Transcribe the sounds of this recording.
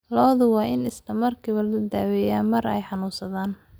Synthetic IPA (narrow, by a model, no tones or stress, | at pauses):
lɔːðʊwɑːʔɪnɪslɐmɐrkʰiːβɐlʊd̪aːwɛjaːmɐrɛ̰jħɑnuːsɐðaːn